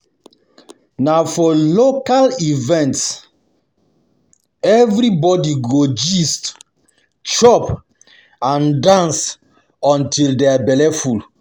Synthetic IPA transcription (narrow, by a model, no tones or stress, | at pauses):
nafɔlokalivɛ̃nts | ɛvɾibɔdiɡod͡ʒist | t͡ʃɔp | ãndãns | ɔ̃ntʰildeabɛlɛful